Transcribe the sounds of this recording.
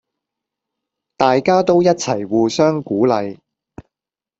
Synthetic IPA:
t̪aː˨jkaː˥t̪o˥wjɐ˥t̚t͡sʰɐ˨˩jwuː˨˩sœː˥ŋkuː˨˥lɐ˨j

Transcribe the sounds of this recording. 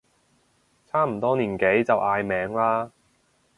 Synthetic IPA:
t͡sʰaː˥m̩˨˩t̪ɔː˥niː˨˩nke˨˥jt͡sɐ˨wʔaː˧jmɛː˨˥ŋlaː˥

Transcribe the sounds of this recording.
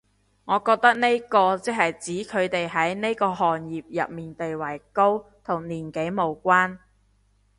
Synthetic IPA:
ŋɔː˨˧kɔː˧k̚t̪ɐ˥k̚ne˥jkɔː˧t͡sɛ˥k̚hɐ˨jt͡siː˨˥kʰɵ˨˧ɥt̪e˨jɦɐ˨˥jne˥jkɔː˧hɔː˨njiː˨p̚jɐ̰˨t̚miː˨˩nt̪e˨jwɐ˨˩jko˥w | t̪ʰʊ˨˩ŋniː˨˩nke˨˥jmo˨˧wkʷaː˥n

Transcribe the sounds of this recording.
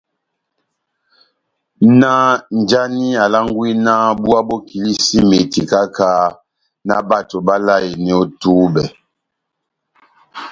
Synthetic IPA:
na˦n˨d͡ʒa˦ni˦a˨la˦ŋ˦ɡwi˦na˦bu˦a˦bɔ˦ki˨li˦si˦me˨ti˨ka˦ka˦ | na̰˦ba˦˨to˨ba˦la˦˨je˨nɛ˦ɔ˦tuː˦bɛ˨

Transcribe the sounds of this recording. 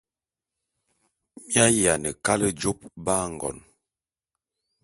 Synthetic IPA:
mja˦ja˨nə˨ka˦lə˦d͡ʒo˦p̚ba˦ŋ˨ɡɔ̰˨n

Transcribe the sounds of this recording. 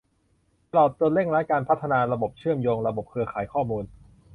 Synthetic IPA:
a˧lɔ˨˩t̪̚ːu˧nle˥˩ŋɾaː˦˥kaː˧npʰa˦˥t̪ʰːa˧naː˧ɾa˧bo˨˩p̚t͡ɕʰɯ˥˩əmjoː˧ŋɾa˧bo˨˩p̚kʰɯ˧ɐkʰaː˩˦jkʰɔː˥˩muː˧n

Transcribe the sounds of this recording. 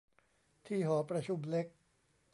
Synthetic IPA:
t̪ʰiː˥˩ɦɔː˩˦pɾa˧t͡ɕʰu˧˩mle˦˥k̚

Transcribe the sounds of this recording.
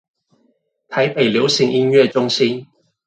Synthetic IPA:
t̪ʰɐ˨˥jpe˨˩jliː˨˥wsɪ˨˧˩ŋʔi˥nɥɛː˥˧t͡ʃʊ˥ŋsiː˥n

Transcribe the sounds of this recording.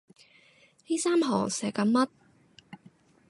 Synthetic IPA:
hiː˥saː˥mɦɔ̰ː˨˩ŋsɛː˨˩kɐ˨˧mmɐ˥t̚

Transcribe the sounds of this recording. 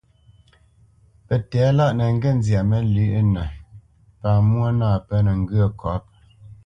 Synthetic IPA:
pɛ˨tɛ˨˦la˦ʔnə˨ŋ̩˦ɡɛ˦˨n˦zja˨mə˦lʉ˦ʔnə˨ | paː˨mwo˦nãː˦˨pə˦nə˨ŋ̩˦ɡɯ˦ə˦˨kʰɔ˨˦p̚

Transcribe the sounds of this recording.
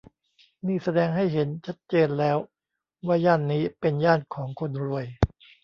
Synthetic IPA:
niː˥˩sa˧dɛː˧ŋɦa˥˩jɦe˩˦nt͡ɕʰa˦˥t̪̚t͡ɕeː˧nlɛː˦˥w | waː˥˩jaː˥˩nːiː˦˥pe˧njaː˥˩nkʰɔː˩˦ŋkʰo˧nɾu˧əj

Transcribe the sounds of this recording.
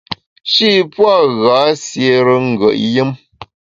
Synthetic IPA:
ʃi˦pwa˦˨ɣa˨˦sje˨ɾə˦ŋ̩˨ɡə̰˨ʔjə˦m

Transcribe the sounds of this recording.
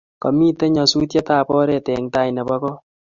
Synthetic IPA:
kɔ˨mi˦te˦ɲɔ˨su˦t̬je˦taː˦˨pɔ˦ɾɛ˨tɛ˨ŋta˦i˨nɛ˨bɔ˦kɔ˦

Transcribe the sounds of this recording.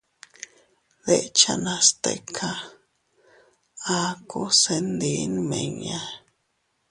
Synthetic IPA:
ðe˦ʔt͡ʃa˦˧nã˧st̪ḛ˧kʰa˧ | a˧ku˦se˧nd̪i˧˦nmẽ˨ɲã˧

